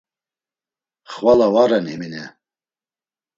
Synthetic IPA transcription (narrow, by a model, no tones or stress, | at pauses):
χvalawaɾɛniminɛ